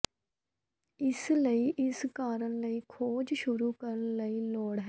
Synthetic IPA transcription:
ɪsləiːʔɪskaːɾəɳləiːkʰoːd͡ʒʃʊɾuːkəɾənləiːlɔːɽɦɛː

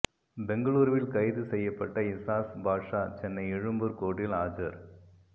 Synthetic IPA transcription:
bɛŋɡɐɭuːɾʋɪlkɐɪðɯsɛjːɐpːɐʈːɐɪsaːsbʱaːʈʂaːt͡ʃɛnːɐɪɛɻɯmbɯɾkoːɽɪlaːd͡ʒɐɾ

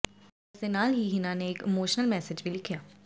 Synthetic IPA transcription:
ɪsd̪enaːlɦiɦɪnãːneɪːkɪmoːʃnəlmɛːsɪd͡ʒbʱilɪkʰːijaː

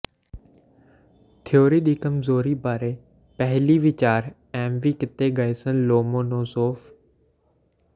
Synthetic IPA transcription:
t̪ʰɪjoːɾiːɗiːkɐmzoːɾiːbaːɾeː | pəɦɪliːʋɪt͡ʃaːɾ | ɛ̃ːmʋiːkɪt̪eɡəeːsə̃nloːmoːnoːsoːf

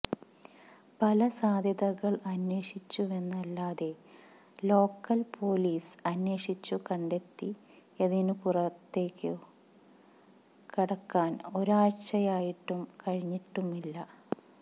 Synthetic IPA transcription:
pɐlɐsaːd̪ʱjɐðɐɣɐɭɐnwe̞ːʂit͡ɕːue̞nːɐlːaːðe̞ | lo̞ːkːɐlpʰo̞ːliːsɐnwe̞ːʂit͡ɕːukɐɳɖe̞t̪ːi | eðinɨpurɐt̪ːe̞ːkʲːɨ | kiɽɐkːaːno̞ɾaːɻt͡ɕɐjaːjiʈːumkɐɻiɲːiʈːumilːɐ

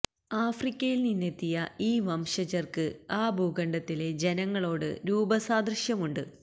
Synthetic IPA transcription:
aːfrikʲːɐjilninːe̞t̪ːijɐiːʋɐmʂɐd͡ʑɐrkɨaːbʱuːɡɐɳɖɐt̪ːile̞d͡ʑe̞nɐŋːɐɭo̞ːɽɨ̰ɾuːbɐsaːd̪rɨʂjɐmuɳɖɨ

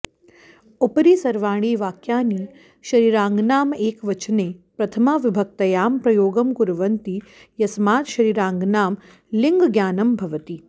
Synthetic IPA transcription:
upɾiːsɐɾʋaːɽ̃iːʋaːkjaːniː | ʃɐɾiːɾaːŋɡnaːmeːkʋɐt͡ʃneːpɾɐt̪ʰɐmaːʋɪbʱɐk̚t̪ɐjaːmpɾɐjoːɡɐmkuɾʋɐnt̪ijɐsmaːt̪ʃɐɾiːɾãːŋɡnaːm | liŋɡɡjaːnɐmbʱɐʋət̪iː

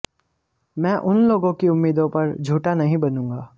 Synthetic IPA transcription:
mɛ̃ːʔʊnloːɡõkiʊmːiːd̪õpɐɾd͡ʒʱuːʈanɐɦĩbɐnũːŋɡaː

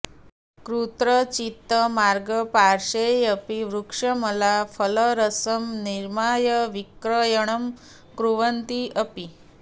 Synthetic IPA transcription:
kɾut̪ɾət͡ɕit̪ːəmaɾɡəpaɾʂejəpiʋɾukʂəməlafələɾəsəmniɾmajəʋikɾəjəɽ̃əm | kɾuʋənt̪iəpi

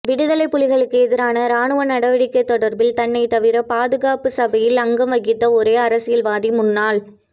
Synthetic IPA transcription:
ʋɪɽɯðɐlɐɪpːʊlɪɣɐɭɯkːɯɛðɪɾaːnɐɾaːɳɯʋɐnɐɽɐʋɐɽɪkːɐɪt̪ːɔɽɐɾbɪlt̪ɐɳːɐɪt̪ːɐʋɪɾɐpaːðɯɣaːpɯsɐbɐjɪlɐŋɡɐmʋɐɣɪt̪ːɐɔɾeːɐɾɐsɪjɪlʋaːðimʊnːaːl

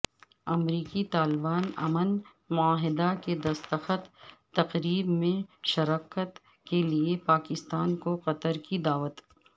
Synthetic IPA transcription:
ɐmɾiːkit̪aːlbaːnɐ̰mən | mʊaːɦɪd̪aked̪ɐst̪əxət̪ː | ɐqɾiːbmẽʃɐɾaːkət̪ | keliepaːkɪst̪aːnkoqɐt̪əɾkid̪aːʋət̪

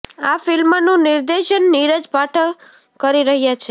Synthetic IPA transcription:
afɪlmnũnɪɾd̪eʃənːiɾəd͡ʒpaʈʰə | kəɾiɾəɦjat͡ʃʰe

